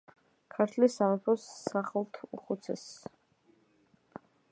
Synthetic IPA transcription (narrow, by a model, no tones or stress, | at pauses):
kʰaɾt̪ʰlisamapʰɔsːaχlˠt̪ʰuχut̪sʰɛ̰s